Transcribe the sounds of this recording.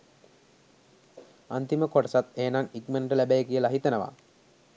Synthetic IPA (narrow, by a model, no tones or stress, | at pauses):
ant̪iməkoʈɐsat̪eːnaŋik̚məɳʈəlæbæjəkijəlaɦit̪ənəʋa̰